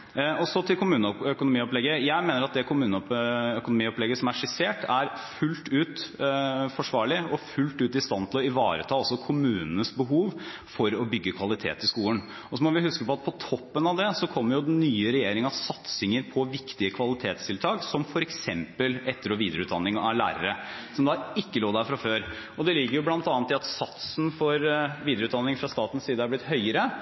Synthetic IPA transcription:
ɔsɔt̪ʰɪlkʰʊmʉːnəœkʊnʊmiːɔplɛɡːəjæɪmeːnəɾɑt̪̚d̪ɛkʰʊmʉːnəɔpœkʊnʊmiːɔplɛɡːəsɔmæʂɪseːʈæɾ | fʉlt̪ʉːt̪ | fɔʂʋɑːɭɪɔfʉlt̪ʉːt̪ɪst̪ɑnt̪ʰɪlɔɪʋɑ̰ːɾət̪ʰɑːɔsːɔkʰʊmʉːnənəsbəɦuːʋfɔɾɔbʏɡːəkʰʋɑlɪt̪ʰḛːt̪ːɪskuːən | ɔsɔmɔʋɪhʉskəpɔɑt̪̚pʰɔt̪ʰɔpːənɑʋd̪ɛsɔkʰɔmːəɾjʊd̪ɛnːyːəɾɛjeːɾɪŋəɑʋsɑt̪sɪŋəɾpʰɔʋɪkt̪ɪəkʰʋɑlɪt̪ʰeːt̪st̪ʰɪlt̪ʰɑːksɔmfɔɾɛksɛmpəlʔɛt̪ːəɾɔʋiːd̪ɾəʉːd̪ɑnːɪŋɑʋlæ̰ːɾəɾəsɔmd̪ɑɪkːəloːd̪æfɾɑføːɾ | ɔd̪ɛlɪɡːəɾjʊblɑnt̪ɑːnt̪ːɪɑt̪sɑt̪snfɔɾʋiːd̪əɾʉːt̪d̪ɑnːɪŋfɾɑst̪ɑːt̪ən̩siːd̪əæɾblɪt̪ɦœʏəɾə

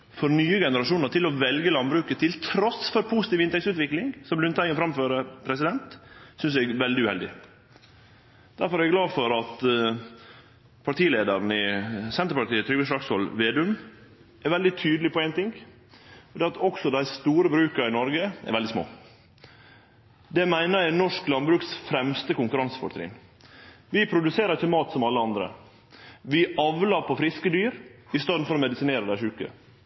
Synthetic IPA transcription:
fɔɾnyːəɡɛnəɾɑʂuːnəɾʈ̪ɪlɔʋɛlɡəlɑnbɾʉːkət̪ʰɪlt̪ʰɾɔsfɔɾpʰuːsɪt̪iːʋɪnt̪ɛksʉːt̪ʋɪklɪŋsɔmblʉnt̪ʰæɪənfɾɑmføːɾəpʰɾɛsɪd̪ɛnt̪sʏnsɛɡʋɛld̪ɪʉhɛ̰ld̪ɪ | d̪̥æɾfɔɾæɾɛɡlɑːfɔɾɑt̪ | pʰɑʈ̪iːleːd̪əɾn̩ɪsɛnt̪əɾpɑʈ̪iːət̪ʰɾʏʋəʂlɑkshɔlʋeːd̪ʉn | ʔɛɾʋɛld̪ɪt̪ʰyːd̪lɪpɔæɪnt̪ɪŋɡ | ɔd̪eːɾɑt̪ʰɔksɔd̪æɪst̪uːɾəbɾʉːkəɾɪnɔɾɡəɛ̰ɾʋɛld̪ɪsmo̰ː | d̪ɛmæɪnəɾjæɪnɔʂklɑnbɾʉːksfɾɛmst̪əkʊŋkʉɾɑŋsə̥fɔʈ̪ʰɾḭːn | ʋɪpʰɾʊd̪ʉseːɾəɾɪçəmɑːt̪sɔmɑlːəɑnd̪ɾə̰ | ʋɪɑʋləɾpʰɔfɾɪskəd̪yːɾɪst̪ɑːd̪n̩fɔɾɔmɛd̪ɪsɪneːɾəd̪æɪʂʉːkə̰

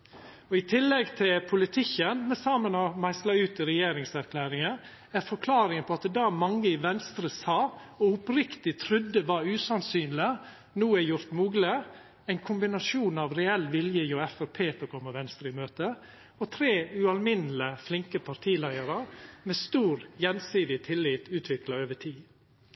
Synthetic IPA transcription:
ɔɪt̪ʰɪlːɛɡt̪ʰɪlpʰʊlɪt̪ʰɪkːənmɛsɑːmənɔmæɪslɑʉːt̪ɪɾɛjeːɾɪŋsæɾkʰlæːɾɪŋə | æɾfɔɾkʰlɑːɾɪŋənpʰɔɑt̪d̪ɑːmɑŋːəɪʋɛnst̪ɾəsɑː | ɔʊpɾɪkt̪ɪt̪ʰɾʉd̪ːəʋɑɾʉːsɑnsyːnlɪə | nuːæjʊɾt̪muːɡlɪ | æɪnkʰʊmbɪnɑsuːnɑʋɾɛɛlːʋɪljəjoɛfəɾpʰeːt̪əkʰɔmːəʋɛnst̪ɾɪmøːt̪ə | ɔt̪ʰɾeːʉɑlmɪnələflɪŋkəpʰɑɾt̪ʰiːlæɪəɾəmeːst̪uːɾjɛnsiːd̪ɪt̪ʰɪlːɪːt̪ʉːt̪ʰʋɪklɑøːʋəʈʰiː

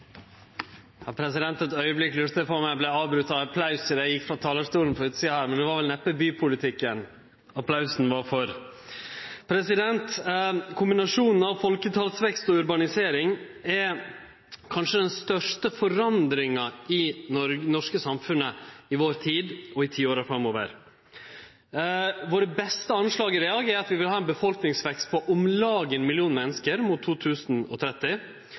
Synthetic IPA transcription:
jɑːpʰɾɛsɪd̪ɛnt̪ɛt̪œʏəblɪkːlʉɾt̪əpɔmæɪblæɑːʋbɾʉt̪ːɑɑpʰlɑʉsəɾæɪjɪkːfɾɑt̪ʰɑːləʂt̪uːln̩fɔɾʉːt̪siːɑhæːɾmɛnd̪ɛʋɑɾʋɛlnɛpːəbyːpʰʊlɪt̪ʰɪkːən | ɑpʰlɑʉsn̩ʋɑɾfɔɾ | pʰɾɛsɪd̪ɛnt̪kʰʊmbɪnɑʂuːnn̩ɑʋfɔlkət̪ʰɑlsʋɛkst̪ɔʉɾbɑnɪseːɾɪŋɛɾ | kʰɑnʂəd̪ɛnst̪œʂʈəfɔɾɑnd̪ɾɪŋɑɪnɔɾnɔʂkəsɑmfʉnːəɪʋoːɾt̪ʰiːd̪ɔɪt̪ʰiːoːɾəfɾɑmoːʋə̰ɾ | ʋoːɾəbɛst̪əɑnʂlɑːɡəɾɛɑɡeːɾɑt̪ʋɪʋɪlhɑːɛnbəfɔlknɪŋsʋɛkst̪̚pʰɔʔʊmlɑːɡənmɪlɪuːnmɛnːəskəɾmut̪ʰːuːt̪ʰʉːsn̩ɔ̰t̪ʰɾɛt̪ːɪ

